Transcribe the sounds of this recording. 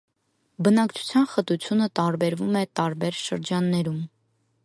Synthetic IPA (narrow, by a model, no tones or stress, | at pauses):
bənɑkt͡ʃʰu̥t͡sʰjɑnχət̪ut͡sʰjunət̪ɑɾbɛɾvumɛt̪ɑɾbɛɾʃəɾd͡ʒɑnːɛɾum